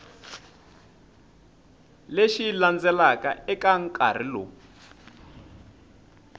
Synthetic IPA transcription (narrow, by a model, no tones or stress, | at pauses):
leʃiland͡zɛlakaɛkaŋkʼa̰r̤ilɔ̰